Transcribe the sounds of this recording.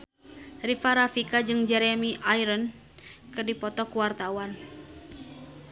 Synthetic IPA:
rifaɾafikad͡ʒɨŋd͡ʒɛɾɛmiʔajɾən | kɨrdipɔt̪ɔkuwart̪awan

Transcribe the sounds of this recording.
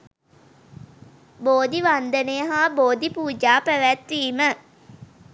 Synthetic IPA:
boːd̪iʋand̪ənejəɦaːboːd̪ipuːd͡ʒaːpæʋæt̪ʋiːmə

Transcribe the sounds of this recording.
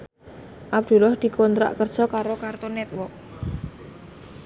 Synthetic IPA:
ʔab̚d̪̥ṳlɔhd̪̥i̤kont̪ɾa̰ʔkərd̥ʒ̥ɔkaɾokart̪onɛt̪̚wɔk̚

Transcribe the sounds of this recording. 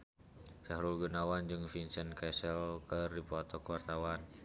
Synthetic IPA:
sahɾulɡunawand͡ʒɨŋfinsənkɛsɛlkərdipat̪ɔkuwart̪awan

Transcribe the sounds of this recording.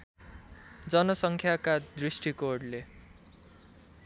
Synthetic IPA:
d͡zʌnʌsʌŋkʰjakad̪risʈikoɖle

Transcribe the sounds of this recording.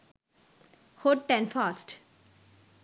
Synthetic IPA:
hoʈ̚ʈɛ̃nfaːsʈ

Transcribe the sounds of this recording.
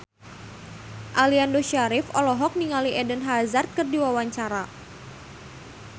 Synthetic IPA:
ʔaliandoʃaɾifɔlɔɦɔk̚niŋaliʔɛdənɦazart̪̚kɨrdiwawaɲt͡ʃaɾa

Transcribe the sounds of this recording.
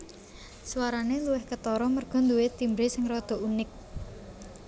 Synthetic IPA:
swaɾaneluwɪhkət̪ɔɾɔmərɡ̥ɔ̤nd̪uwet̪imbɾesɪŋrɔd̪̥ɔ̤unɪk̚

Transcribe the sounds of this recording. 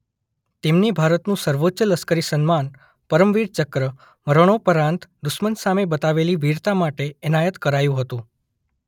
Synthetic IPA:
t̪emnebʱaɾət̪nũsəɾʋotːʃələskəɾisənman | pəɾəmʋiɾt͡ʃəkɾə | məɾoɳ̃opəɾãnt̪d̪ʊʃmənsamebət̪aʋeliʋiɾt̪amaʈeːnajət̪kəɾajũɦət̪ũ

